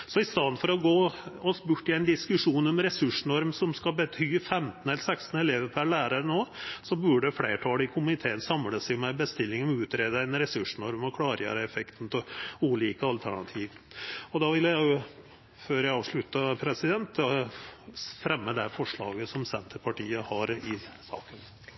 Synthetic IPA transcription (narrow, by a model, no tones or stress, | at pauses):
sɔɪst̪ɑd̪fɔɾɔɡoːɔsbʉʈːɪɛɪnd̪ɪskʉʂuːnɔmɾɛsʉʂnɔɾmsɔmskɑbət̪ʰyːfɛmt̪n̩ɛləsɛkst̪n̩ɛleːʋəpʰæɭæːɾəɾənoːsɔbʉɖəflḛːʈʰɑːləɪkʰʊmɪt̪ʰeːənsɑmləsɪɔmɛbəst̪ɪlːɪŋɔmʉːt̪ɾeːd̪əænɾɛsʉʂɳɔɾmɔkʰlɑːɾəjø̰ːɾəɛfɛkt̪n̩t̪ʰɪluːliːkəɑlt̪ʰæɳɑt̪ʰiːʋ | ɔd̪ɑʋɪljæɪʊ | føːɾjæɪɑːʋʂɭʉt̪ːəpʰɾɛsɪd̪ɛnt̪ | fɾɛmːəd̪ɛfɔʂɭɑ̰ːɡəsɔmsɛnt̪ʰəpʰɑʈiːəhɑɾɪsɑ̰ːkən